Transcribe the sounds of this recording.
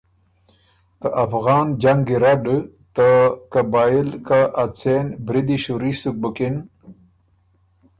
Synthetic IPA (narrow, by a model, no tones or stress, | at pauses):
t̪əʔafɣɑːnd͡ʒaŋɡiɾaɖ | t̪əkabaːilkaʔat͡senbɾid̪iɕuɾisuk̚bukin